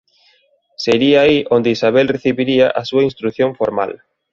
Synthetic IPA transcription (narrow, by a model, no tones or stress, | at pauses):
seɾiaːiʔond̪ɪisaβɛlreθiβiɾiɐʔɐsuɐinst̪ɾuθjõɱfoɾma̰l